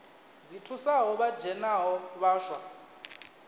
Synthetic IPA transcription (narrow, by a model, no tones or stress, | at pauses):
d͡zitʰusaɦɔβḁd͡ʒʱɛnaɦɔβaːʃwa